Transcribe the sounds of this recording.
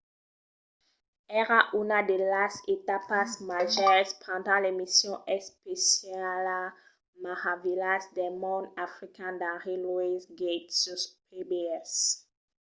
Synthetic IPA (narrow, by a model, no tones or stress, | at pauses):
ɛʁaʔynad̪elaset̪apasmaʒɛspχɑ̃d̪ɑ̃lemisjɔ̃ʔɛspesjala | maʁavilasd̪ɛmɔ̃d̪afʁikɛ̃d̪ãʁilwizɡet̪syspebeɛs